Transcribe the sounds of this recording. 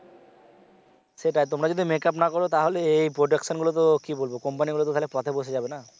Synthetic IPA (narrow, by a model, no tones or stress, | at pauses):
seʈaet̪̬omɾad͡ʑod̪imekap̬nakɔɾot̪aɦoleejpɾoɖekʃonɡulot̪̬okibolbokɔmpaniɡulot̪ot̪aɦolepɔt̪ʰeboʃed͡ʑabena